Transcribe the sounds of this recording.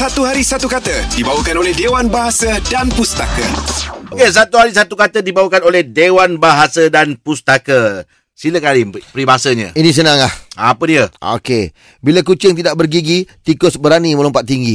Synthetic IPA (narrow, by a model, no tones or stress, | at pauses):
sat̪uɦaɾisat̪ukat̪ədibawəkanolɛhdewanbaɦasədanpust̪akə̰okes̬at̪uɦaɾisat̪ukat̪ədibawəkanolɛhdewanbaɦasədanpust̪akə | siləkalipɾibaasəɲə̰̃inĩs̬ənaŋlahapədiəo̰ke | bilakut͡ʃɪŋt̪idaʔbərɡiɡit̪ikɔsbəɾaniməlɔmpat̪̚ːiŋɡi